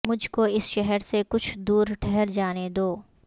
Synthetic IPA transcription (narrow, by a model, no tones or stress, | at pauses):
mʊd͡ʒʱkoɪsʃɛɦəɾsekʊt͡ʃʰd̪uːɾʈʰɛɦɛɾd͡ʒaːned̪oː